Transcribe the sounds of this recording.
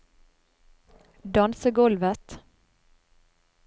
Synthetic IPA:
d̪ɑnsəɡɔlʋət̪

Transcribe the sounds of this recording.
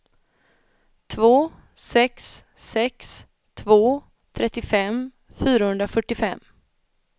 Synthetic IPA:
t̪ʰvoː | sɛksːɛks | t̪ʰvoː | t̪ʰɾɛt̪ːɪfɛm | fyːɾahɵnd̪ɾafœʈːɪfɛ̰mː

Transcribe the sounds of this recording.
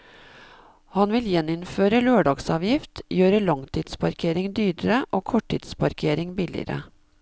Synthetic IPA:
hɑnʋɪljɛnːɪnføːɾəløːɖɑɡsɑːʋjɪft̪jøːɾəɭɑŋt̪ʰiːd̪spɑɾkʰeːɾɪŋd̪yːɖəɾəʔoːkʰɔʈʰːḭːd̪spʰɑɾkʰeːɾɪŋbɪlɪ̰əɾə̰

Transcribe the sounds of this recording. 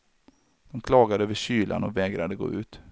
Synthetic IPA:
d̪̥ɔmkʰlɑːɡad̪əøːvəɕyːlʔa̰nɔvɛːɡɾad̪əɡo̰ːʉ̟ːt̪

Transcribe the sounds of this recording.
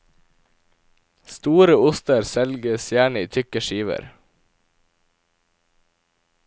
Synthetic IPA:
st̪uːɾəʊst̪əɾsɛlɡəsjæːɳəiːt̪ʰʏkəʃiːʋə̰ɾ

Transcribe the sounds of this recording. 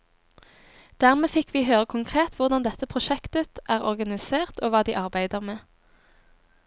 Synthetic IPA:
d̪̥æːʁmeːfɪkʰʋiːɦøːʁəkʰʊŋkʰʁeːt̪ʋʊʁd̪ɑnd̪ɛt̪əpʰʁʊʃɛkt̪ət̪ʔæːʁɔʁɡɑnɪseːʁt̪oːʋɑːd̪iːʔɑʁbæɪd̪əʁmeː

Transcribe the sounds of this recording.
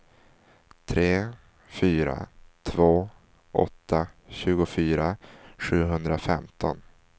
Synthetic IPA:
t̪ʰɾeː | fyːɾa̰t̪ʰvoː | ʔɔ̰t̪ʰːaɕʉ̟ːɡʊfyːɾaɧʉ̟ːɦɵnd̪ɾafɛmt̪ʰɔn

